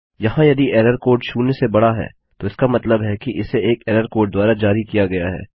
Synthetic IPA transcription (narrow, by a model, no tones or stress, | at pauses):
jɐɦãjɐd̪iɛːɾəɾkoːɾɖʃuːnesebɐɽaɦɛ̰ː | t̪oɪskamɐt̪ləbɦɛkiʔɪseeːkɛːɾəɾkoːɾɖ̚d̪ʊaːɾad͡ʒaːɾikijaɡɐjaɦɛ̰ː